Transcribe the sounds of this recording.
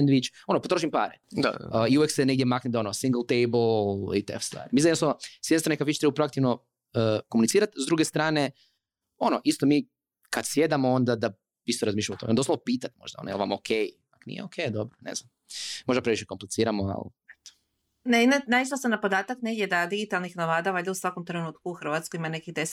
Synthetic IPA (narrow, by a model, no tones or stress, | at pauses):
nd̪ʋit͡ʃo̞nopot̪ɾoʃ̬impaːɾea̰iuʋjeksene̞ɡ̚d̪jemaknit̪o̞nosiŋɡl̩ˠt̪ejbolḭt̪ḛfst̪ʋa̰ːɾmisajednosanosjd̪nst̪ɾanekaʋit͡ʃt̪ɾebapɾoakt̪iʋno | əkomunit̪siːɾat̪zd̪ɾuːɡest̪ɾaːne | o̞noʔist̪omiː | kad̪sje̞d̪amoond̪ad̪a | ist̪oɾazmiʃlʎamot̪oend̪osloopiːt̪at̪ʲmo̰ʒd̪ao̰no̰jḛlʋa̰mokʰejpaknḭjeokʰejd̪obɾonḛznam | mo̞ʒd̪apɾeʋiʃeko̞mplet̪siːɾamoa̰lḭ | et̪o̥ | neinanaisasamnapo̞d̪aːt̪akneɡjʲed̪ad̪iɡit̪alˠnixnaʋad̪aʋajd̪eusʋakomt̪ɾenuːt̪kuuxr̩ʋat̪skoimane̞kid̪es